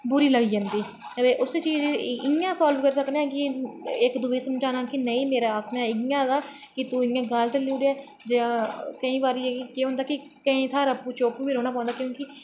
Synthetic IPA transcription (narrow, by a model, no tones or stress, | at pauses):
bʊɾiːləɡiːd͡ʒãːnd̪iː | ət̪eːʔʊset͡ʃiːeɪjãːsaːlʋkəɾsəkneãːkɪɪkd̪ʊːeːsəmt͡ʃaːnãːkɪnəĩːmeːɾaːəkʰnaːɛɪɪjãːd̪aː | kɪt̪ũːɪãːɡalt̪eluːɖɛː | d͡ʒãːkəĩːbaːɾiekeɦõːnd̪aːkɪ | kəĩːt̪ʰaːɾaːpuːt͡ʃoːpuʋiːɾoːñaːp̬ãːnd̪aːkjõːkɪ